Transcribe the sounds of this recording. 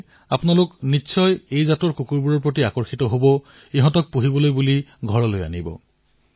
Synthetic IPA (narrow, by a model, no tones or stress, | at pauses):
apʊnalʊknitːsʰɔjejzatɔɹkukuɹbuɹɔɹpɹot̬iakɔɹxitɔɦobɔ | iɦɔ̃tɔk̚puɦibɔlojbuliɡʱɔɹɔloja̰nibɔ̰